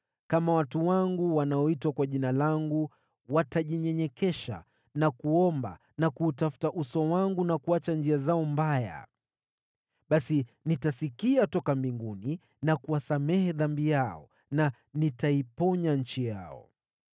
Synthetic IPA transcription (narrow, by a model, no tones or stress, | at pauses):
kamawatuwaŋɡuwanaɔitwakwaʄinalaŋɡu | wataʄiɲɛɲɛkɛʃa̰ | nakuɔmba̰ | nakuːtafu̥taʔusɔwaŋɡunakuat͡ʃand͡ʒiazaɔmbaja̰ | ɓasinitasikiatɔkambiŋɡuni | nakuwasamɛhɛðambijaɔ̰ | na | nitaipɔɲaɲ̩t͡ʃija̰ɔ̰